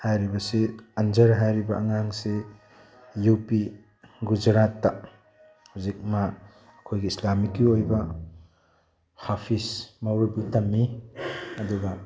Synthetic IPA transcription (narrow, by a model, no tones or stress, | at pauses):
hajɾibɐsiɐnd͡ʒɐɾɦajɾibɐʔɐŋaŋse | jupi | ɡud͡ʒɾatːa | huzik̚maː | kʰojɡiislamikːiojbɐ | hapʰismawɾubutɐmːi | ɐduɡɐ